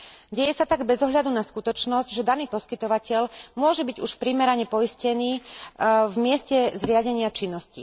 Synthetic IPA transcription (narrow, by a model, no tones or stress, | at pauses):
ɟɛjɛsat̪aɡbɛzɔɦʎad̪unaskut̪ɔt͡ʃnɔzɟʒɛd̪aniːpɔskit̪ɔʋacɛʎmʊɔʒɛbiɟuʃpɾiːmɛɾaɲɛpɔiscɛniː | vmɪɛscɛzɾɪaɟɛɲɪat͡ʃinːɔscḭ